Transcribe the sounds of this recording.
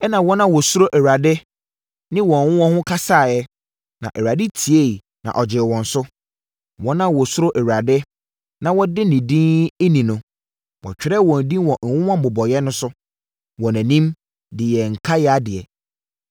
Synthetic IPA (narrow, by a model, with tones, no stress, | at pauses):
ɛ˦nã˨wɔ˦nã˦wɔ˨sʊ˦ɾo˦ʔɛ˨wa˨dɪ˦ | nɪ̃˦wɔ̃˨ŋ˨wʊ̃˦wɔ̃˦hʊ̃˦kʰa˦saː˦˨jɛ˦ | nã̰˨ʔɛ˨ɥa˨dɪ˦tʰi˨e˦˨ | nã̰˨ʔɔ˨d͡ʑɪ˨wɔ̃˨n̩˨sʊ˦ | wɔ̃˦nã˦wɔ˨sʊ˦ɾo˦ʔɛ˨wɾa˨dɪ˦ | nã˨wɔ˦dɪ˦nɪ̃˨dĩ˦e˦nĩ˨nʊ̃˨ | wɔ̰˨t͡ɕᶣɪ˨ɾɛ˦˨wɔ̃˨n˨dĩ˦wɔ̃˨wʊ̃˦wã˦m̩˨bʊ˨bɔ˨jɛ˦nʊ̃˦sʊ˦ | wɔ̃˨næ̃˨nĩ˦m | dɪ˨jɛ˨ŋ̩˨kʰa˦jɛ˦a˦dɪ˨ɛ˨